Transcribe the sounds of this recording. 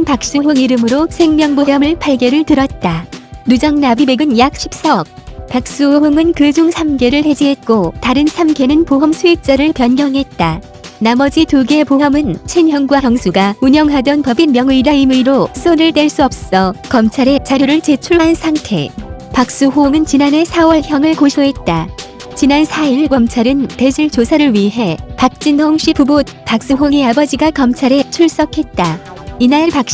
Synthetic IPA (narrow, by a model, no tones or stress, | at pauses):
npak̚s͈uɦɯŋiɾɯmɯɾosʰe̞ŋmjʌŋbojʌmɯɭpʰaɭɡjeɾɯɭtɯɾʌt̚t͈anud͡ʑʌŋnabime̞ɡɯnjak̚ɕʰi̥p̚s͈aʌp̚pak̚s͈uoɦɯŋɯnkɯd͡ʑuŋsʰamɡe̞ɾɯɭhe̞d͡ʑiɦe̞t̚k͈otaɾɯnsʰamɡʰe̞nɯnpoɦʌmsʰuik̚t͡ɕ͈ʌɾɯɭpjʌnɡjʌŋɦe̞t̚t͈a | namʌd͡ʑituɡe̞poɦʌmɯnt͡ɕʰwenjʌŋɡwajʌŋsʰuɡauɲʌŋɦadʌnpʌbinmjʌŋɯidaimuiɾos͈oɾɯɭt͈weɭs͈uʌp̚s͈ʌkʌmt͡ɕʰaɾe̞t͡ɕaɾjoɾɯɭt͡ɕe̞t͡ɕʰuɭansʰaŋtʰe̞̰pak̚s͈uɦoŋɯnt͡ɕinane̞sʰawʌɭçjʌŋɯɭkoɕʰoɦe̞t̚t͈a | t͡ɕinansʰaiɭkʌmt͡ɕʰaɾɯnte̞d͡ʑiɭt͡ɕosʰaɾɯɭɥiɦe̞pak̚t͡ɕ͈inhoŋɕ͈ʰipubot̚p͈ak̚s͈uɦoŋeabʌd͡ʑiɡakʌmt͡ɕʰaɾe̞t͡ɕʰuɭs͈ʌkʰe̞t̚t͈a | inapak̚ɕ